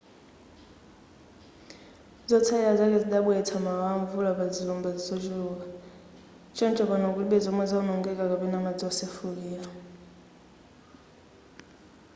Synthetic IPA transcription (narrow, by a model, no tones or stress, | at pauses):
zɔt͡sʰaiazak̬ɛd͡ziɗaɓuɛtʰamawaɱvulapad͡zilɔmbad͡zizɔt͡ʃuka | t͡ʃʰɔnt͡ʃʰʼɔpanakuliɓɛzɔmwɛzaunɔŋɡɛkʼakapɛnamad͡zɔɔsefukiːla